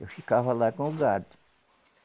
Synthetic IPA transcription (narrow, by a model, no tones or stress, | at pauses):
ewfikavɐlakõʊɡad̪ʊ̥